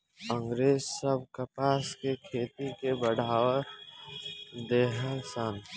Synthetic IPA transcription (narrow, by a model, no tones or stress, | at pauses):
ə̃ŋɡɾeːzsəb̚ʱkəpaːskekʰeːt̪ikebəɽaːʋə | d̪eːɦəlsaːn